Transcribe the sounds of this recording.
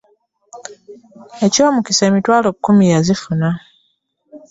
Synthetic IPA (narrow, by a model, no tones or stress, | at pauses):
eco̞ːmuciseːmitwaːloβukumijazifuna